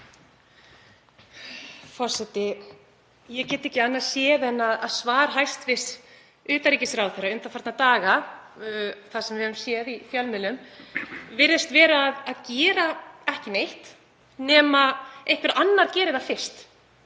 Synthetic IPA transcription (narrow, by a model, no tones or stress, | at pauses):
fɔ̥sɛt̪ɪ | jɛcɛːt̪ɪɛhcɪanːḁsjɛːðɛnːaðaðsvaːɾ̥ɦajst̪vɪst̪ | ʏːt̪aɾiːcɪsɾawθɛraʏmt̪afaɾt̪nat̪aːɣa | θasɛmvɪhɛvʏmsjɛðifjalmɪlʏm | vɪɾɪst̪vɛːɾaːðaðcɛːɾaɛhcɪnejht̪ | nɛːmaejhkvɪɾanːaɾ̥cɛːɾɪðafɪr̥st̪